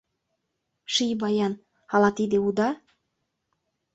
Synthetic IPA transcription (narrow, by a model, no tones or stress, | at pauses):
ʃijbɑjɑn | ɑlɑt̪id̪eud̪ɑ